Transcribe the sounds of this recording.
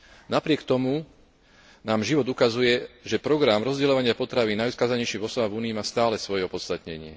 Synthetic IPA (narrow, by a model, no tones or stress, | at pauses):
napɾɪɛkt̪ɔmu | naːmʒiʋɔd̪ukazujɛʒɛpɾɔɡɾamɾɔzɟɛlɔʋaɲɪapɔt̪ɾaʋiːnːajʊuskaːzaɲɛjʃivɔsɔbaːvuːniːmaːst̪aːlɛsʋɔjɛɔpɔt̪st̪at̪ɲɛɲɪɛ